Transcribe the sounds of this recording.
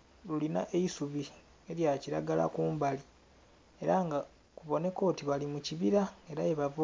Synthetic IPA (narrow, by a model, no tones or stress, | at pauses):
lulinaʔeisuβi | e̞ɾjaciɾaɡala̰kuːmbali | e̞ɾaŋɡa | kuβo̞ne̞ko̞ːtiβalimuciβiɾae̞ɾaeβavu